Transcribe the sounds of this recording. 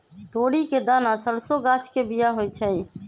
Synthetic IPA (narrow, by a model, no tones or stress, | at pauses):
t̪oɽiked̪anasəɽsoɡat͡ʃʰkebijaɦojt͡ʃʰɛ